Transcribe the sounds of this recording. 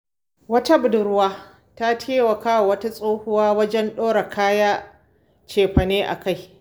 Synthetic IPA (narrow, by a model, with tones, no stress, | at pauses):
wɐ˦ta˦bʊ˨dʊ˨ɾʊ˦waː˦ | ta˦tʰeː˦wɐ˨kaː˦wwɐ˦ta˦sʼoː˦hʊ˦waː˦wɐ˦d͡ʒɛ˦nɗoː˦ɽa˨kʰaː˦jaː˦ | t͡ʃeː˨ɸɐ˨neː˦ʔa̰˨ka˦˨j